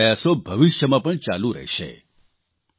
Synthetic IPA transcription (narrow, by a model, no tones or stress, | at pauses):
əjasobʱəʋɪʃjəmãpəɳt͡ʃalũɾə̰ɦʃḛ